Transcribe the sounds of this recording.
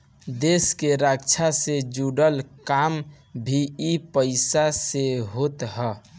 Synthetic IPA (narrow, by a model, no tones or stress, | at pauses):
d̪eskeɾakt͡ʃʰased͡ʒuɽəlkam | bʱiipəɪsaseɦot̪ɦə